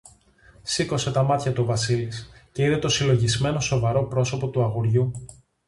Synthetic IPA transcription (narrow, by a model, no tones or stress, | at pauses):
siko̞se̞t̪ɐmɐt̪çɐt̪uovɐsilisce̞iðe̞t̪o̞silo̞ʝizme̞no̞so̞vɐɾo̞pɾo̞so̞po̞t̪uɐɣoɾʝu